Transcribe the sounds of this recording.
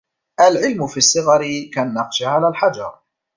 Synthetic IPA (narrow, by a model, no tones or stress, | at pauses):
ʔalʕɪlmʊfisˤːɨɣɑɾɪkanːɑqʃaʕalaːlħad͡ʒɑ̰ɾˤ